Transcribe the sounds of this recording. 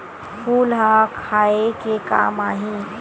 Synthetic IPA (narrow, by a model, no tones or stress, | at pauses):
fʰuːlɦakʰaːekeka̰ːmaːɦĩ